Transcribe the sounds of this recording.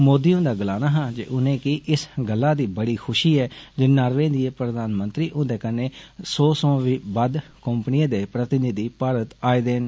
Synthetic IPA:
moːd̪iːõːd̪aːɡəlaːnaːɦãːd͡ʒḛːʔʊnẽːkiʔɪsɡəlːaːd̪iːbəɽiːkʰʊʃiːɛːd͡ʒɪːnaːɾʋẽːd̪ieːpɾəd̪aːnmə̃nt̪ɾiːʔʊ̃d̪eːkəneːsɔːsɔ̃ːʋiːbəd̪kəmpnɪãːd̪eːpɾət̪ɪnɪd̪iːpaːɾət̪aːiːd̪eːn

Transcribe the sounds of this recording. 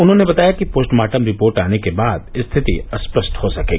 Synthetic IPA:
ʊnɦõnebɐt̪aːjakipoːsʈmaːʈəmɾɪpoːɾʈaːnekebaːd̪ɪst̪ʰɪt̪ḭɐspɾəsʈhosɐkeːɡi

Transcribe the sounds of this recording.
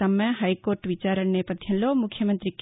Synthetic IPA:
ɐmːɐɦajkoːɾʈʋit͡ʃaɾəɳnɐjpɐd̪ʱjɐ̃nlomukʰjɐmənt̪ɾik

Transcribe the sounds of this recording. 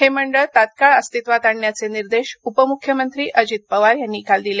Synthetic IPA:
ɦeməɳɖəɭt̪at̪̚kaɭəst̪it̪ʋat̪aɳːjat͡seniɾd̪eɕupəmukʰːjəmənt̪ɾiːʔʔəd͡ʑit̪̚pəʋaɾjanːiːkald̪ile

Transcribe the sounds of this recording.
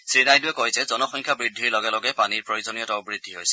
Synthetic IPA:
sɹinajduwɛkoɦjsɛzɔnɔxɔŋkʰabɹidʱiɹlɔɡɛlɔɡɛpaniɹpɹɔjozɔnijɔtaʊbɹidʱːiɦojsɛ̥

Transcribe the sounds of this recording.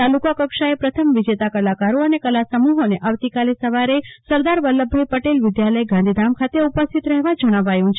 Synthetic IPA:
t̪alukakəkʃaepɾət̪ʰəmʋɪd͡ʒet̪akəlakaɾoənekəlasəmuɦoneʔaʋt̪ikalesəʋaɾesəɾd̪aɾʋəlːəbʱːajpəʈelʋɪd̪jaləjɡãnd̪ʱid̪amkʰat̪eupəst̪ʰit̪ɾəɦʋad͡ʒəɽ̃aʋajũt͡ʃʰe

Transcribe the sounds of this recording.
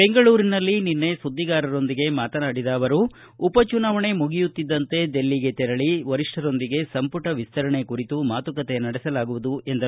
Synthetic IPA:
be̞ŋɡɐɭuːɾinɐlːininːe̞sud̪ʱːiɡaːɾɐɾo̞nd̪iɡe̞maːt̪ɐnaːɽid̪aːʋɐɾuː | pɐt͡ʃunaːʋɐɳe̞muɡijut̪ːid̪ːɐnt̪e̞d̪e̞lːiɡe̞t̪ɛɾɐɭiʋɐɾiʂʈɐɾo̞nd̪iɡe̞sɐmpuʈɐʋist̪ʰɐɾɐɳe̞kuɾit̪umaːt̪ukɐt̪enɐɽɛsɐlaːɡuʋud̪ue̞nd̪ɐ

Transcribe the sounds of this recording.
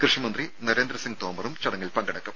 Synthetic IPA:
krɨʂɐmɐnd̪rinɐɾe̞ːnd̪ɾɐsiŋɡ̚t̪oːmɐrumt͡ɕɐɽɐŋːɐɭpɐŋɡɐɽɐkːum

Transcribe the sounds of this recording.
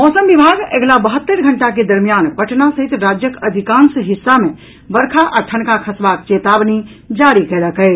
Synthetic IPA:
mɔsəmbibʱaɡḛɡlabəɦət̪ːəɾɡʱəɳʈak̬ed̪əɾmijanpəʈnasəɦit̪ɾad͡ʒjəkəd̪ʱikãnsɦisːame | bəɾkʰaʔaʈʰənkakʰəsbak̚t͡ʃet̪abni | d͡ʒaɾikeləkɛɪt͡ʃ

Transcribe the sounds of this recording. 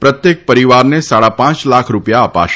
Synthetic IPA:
pɾət̪jek̚pəɾiʋaɾnesaɽapãt͡ʃlakʰɾupjaəpa̰ʃ

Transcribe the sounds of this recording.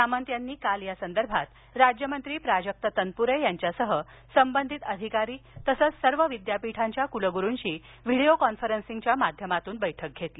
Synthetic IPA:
samənt̪janːiːkaljasənd̪əɾbʱat̪ | ɾad͡ʑjəmənt̪ɾiːpɾad͡ʑək̚t̪ət̪ənpuɾəjjaɲt͡ɕjasəɦə | səmbənd̪ʱit̪əd̪ʱikaɾiːt̪əsət͡ssəɾʋəʋid̪japiʈʰaɲt͡ɕjakuləɡuɾunɕiː | ʋiɽejokɔnfəɾənsiŋɡt͡ɕjamad̪ʱjəmat̪uːnbəjʈʰək̚ɡʱet̪liː

